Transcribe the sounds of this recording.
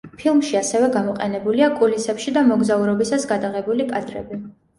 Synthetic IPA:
pʰilˠmʃiasɛvɛɡamɔqʼɛnɛbuliakʼulisɛpʃid̪amɔɡzauɾɔbisasɡad̪aʁɛbulikʼad̪ɾɛ̰bi

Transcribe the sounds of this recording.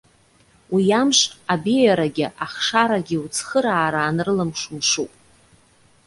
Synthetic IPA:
wijamʂʷabijaɾaɡʲɪʔaχʂaɾaɡʲɪut͡sʰχəɾaːɾaːnrɨlɨmʂumʂupʼ

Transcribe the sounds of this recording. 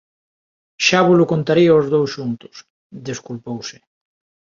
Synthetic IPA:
ʃaβolʊkont̪aɾiaozðowsʃunt̪ʊ̥s | d̪eskulpowsɪ

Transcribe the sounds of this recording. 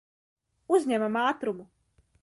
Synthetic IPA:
uzɲɛmamaːt̪ɾumu

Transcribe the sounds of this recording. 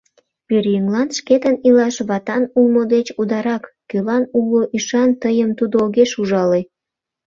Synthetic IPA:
peɾjyŋlɑnʃket̪ənilɑʃβɑt̪ɑnulmod̪et͡ɕud̪ɑɾɑkːølɑnuloʔiʃɑnt̪əjəmt̪ud̪ooɣeʃuʒɑle

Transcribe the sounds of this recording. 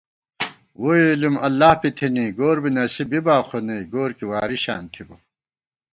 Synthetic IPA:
woilimɐlːaːhpit̪ʰiniɡoːɾbinɐsibibaːqʰoniɡoːɾkiwaːɾiɕa̰ːnt̪ʰibo

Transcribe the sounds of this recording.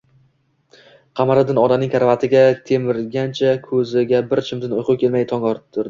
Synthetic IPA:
qʰɑmaɾɪd̪ɪnɒd̪anɪŋkʲʰaɾvat̪ʰɪɡʲat̪ʰe̞mɪɾɡʲant͡ʃʰakʰɵzɪɡʲabɪɾt͡ʃʰɪmd̪ɪnojqʰʊkʲʰe̞lmajt̪ʰɒŋɒɾt̪ʰʊɾd̪ɪ

